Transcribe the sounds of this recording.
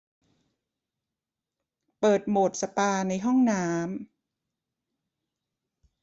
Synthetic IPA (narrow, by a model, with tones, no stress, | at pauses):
pɤː˨˩t̪̚moː˨˩t̪̚sa˧paː˧na˧jɦɔ˥˩ŋnaː˦˥m